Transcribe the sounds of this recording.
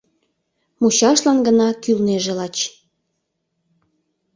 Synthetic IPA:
mut͡ɕɑʃlɑnɡənɑkylneʒelɑt͡ɕ

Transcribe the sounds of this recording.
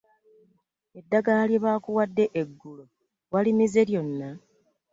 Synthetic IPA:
e̞dːaɡaljeβaːkuwadːe̞ʔeɡːulo | walimize̞ɾjo̞nːa

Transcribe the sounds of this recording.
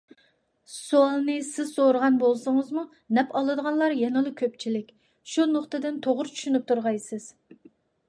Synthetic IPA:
suɑlˠnɨsɪz̥soɾəʁɑnbolˠsɨŋɨzmu | nɛpɑlˠɨd̪əʁɑnlˠɑɾjɛnɨlˠɨkʲʰøp̚t͡ʃʰilɪkʲ | ʃunoχt̪ɨd̪ɪnt̪ʰoʁʊɾt͡ʃʰy̥ʃynyp̚t̪ʰuɾʁɑjsɨz̥

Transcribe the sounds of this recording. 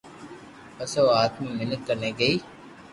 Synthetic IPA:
əsoːaːt̪mĩːmɪnət̪̚kəɾnẽːɡəiː

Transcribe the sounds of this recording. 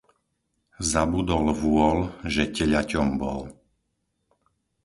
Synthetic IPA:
zabud̪ɔlʋʊɔlʒɛcɛʎacɔmbɔ̰l

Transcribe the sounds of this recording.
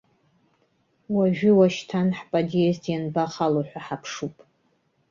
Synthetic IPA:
waʒᶣʏwaʃtʰanħpʼadieztʰʼjanbaχaloħʷᶣaħapʰʂupʼ

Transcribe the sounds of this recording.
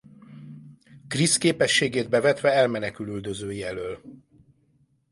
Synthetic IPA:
kriskeːpɛʃːeːɡeːd̪̚bɛvɛt̪ʋɛɛlmɛnɛkylyld̪øzøːjiɛløːl

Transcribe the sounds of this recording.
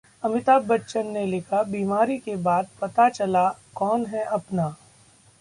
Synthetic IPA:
ɐmɪt̪aːbːɐtːʃənːelɪkʰabiːmaːɾikebaːd̪̚pɐt̪at͡ʃɐlakɔːnɦɛʔɐpnaː

